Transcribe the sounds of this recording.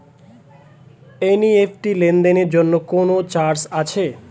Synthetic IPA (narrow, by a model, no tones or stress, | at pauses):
eniefʰʈilend̪eneɾd͡ʑonːokonot͡ɕaɾsat͡ɕʰe